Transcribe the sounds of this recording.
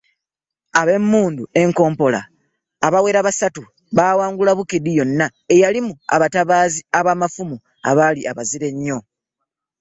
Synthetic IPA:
aβe̞mːuːndue̞ŋko̞ːmpo̞la̰ː | βawe̞ːɾaβasatu | βawaːŋɡulaβukidijo̞nːae̞jalimua̰βataβaːziaβaːmafumu | a̰βaliʔaβaziɾe̞ɲːo̞

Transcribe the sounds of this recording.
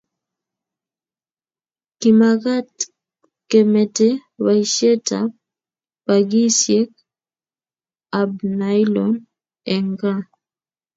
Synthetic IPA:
kimaɡat | kɛmɛtɛwaiʃɛtʰa̰ | paɡisjɛk̚ | abnajlɔn | ɛŋɡa

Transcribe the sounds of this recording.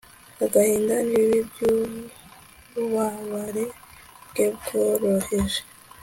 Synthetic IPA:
aɡahiːndaniβibju | βaβaɾe | bɡebɡoɾoheʒe

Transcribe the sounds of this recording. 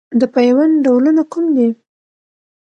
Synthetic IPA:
d̪əpajwanɖawlənakumd̪i

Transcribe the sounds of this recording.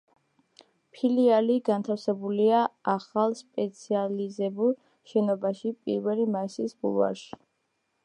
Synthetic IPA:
pʰilialiɡant̪ʰafsɛbuliaaχalˠspʼɛt̪sʰializɛbulˠ | ʃɛnɔbaʃipʼḭɾvɛlimaisisbṵlˠva̰ɾʃi̥

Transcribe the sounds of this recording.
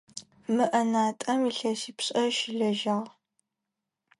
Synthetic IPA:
mɨʔɐnaːtʼɐmiɬɐsiːpɕʼɐʃɪɮɐʒaːʁ

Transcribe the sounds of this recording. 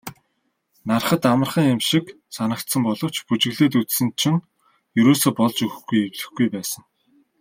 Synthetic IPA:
narχə̆t̪amə̆rχə̆ŋemʃik | sanə̆k̚t̪sə̆mpɔɮɞ̆w̥t͡ɕput͡ɕɘ̆ɣɮeːt̪̬ut͡ssɘ̆nt͡ɕʰɪ̆ŋ | jɵɾoːsoːpɔɮt͡ɕɵxxɡujewɮɘ̆xɡujpæːsə̆ŋ

